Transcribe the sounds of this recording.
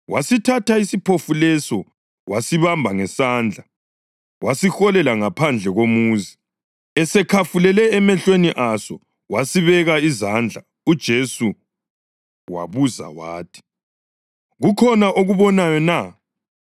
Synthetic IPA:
wasitʰataisipʰofulɛsɔ | wʔasiβambʱaŋɛsaːnd͡ɮʱa | wasixɔlɛlaŋapʰand͡ɮʱɛɣomuːzi | ɛsɛkʰafulɛlɛɛmɛɬweniʔasɔ | wasiβɛɣaizand͡ɮʱa | ud̥ʒ̥ʱesu | wa̰βuza̰waːtʰi̥ | ɣukʰɔnaʔoɣuβɔnajɔna

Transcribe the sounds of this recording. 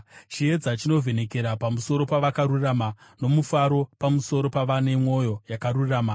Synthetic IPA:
t͡ʃie̞d͡zat͡ʃino̞vʱe̞ne̞ke̞ɾapamuso̞ɾo̞paʋakaɾuramano̞mufaɾo̞pamuso̞ɾo̞paʋane̞mo̞jo̞jakaɾuraːma

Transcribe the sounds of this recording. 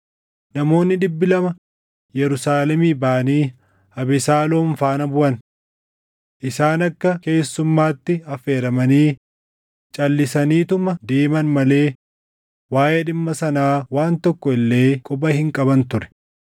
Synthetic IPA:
nɐmo̞ːnːɪᶑɪbːɪlɐmɐ | jɛɾʊsaːlɛmiːbaːniː | hɐbɪsaːloːɱfaːnɐbʊʔɐn | ʔɪsaːnɐkːɐke̞ːsːʊmːaːt̪ːɪɐfe̞ːɾɐmɐniː | t͡ʃʼɐlːɪsɐniːt̪ʊmɐd̪eːmɐnmɐle̞ː | waːjeːᶑɪmːɐsɐnaːwaːnt̪ɔkːɔɪlːe̞ːkʼɔbɐhɪŋkʼɐbɐnt̪ʊɾɛ̥

